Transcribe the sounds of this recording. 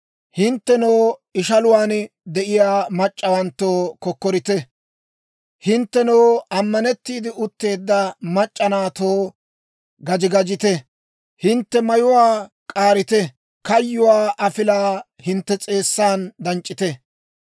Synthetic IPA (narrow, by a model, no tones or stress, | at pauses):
hɪnt̪ːɛnoːɪʃɐlʊwaːnd̪ɛʔɪjaːmɐt͡ʃʼːɐwɐnt̪ːoːkɔkːɔɾɪt̪ɛ | hɪnt̪ːɛnoːɐmːɐnɛt̪ːiːd̪ɪʊt̪ːe̞ːd̪ːɐmɐt͡ʃʼːɐnaːt̪oː | ɡɐd͡ʒɪɡɐd͡ʒɪt̪ɛ | hɪnt̪ːɛmɐjʊwaː | kʼaːɾɪt̪ɛ | kɐjːʊwaːʔɐfɪlaː | hɪnt̪ːɛt͡sʼe̞ːsːaːnd̪ɐnt͡ʃʼːɪt̪ɛ